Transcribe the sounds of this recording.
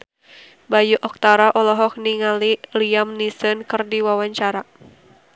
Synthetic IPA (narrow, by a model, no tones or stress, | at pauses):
bajuʔɔk̚t̪aɾaʔɔlɔɦɔk̚niŋaliliamnisənkɨrdiwawaɲt͡ʃaɾa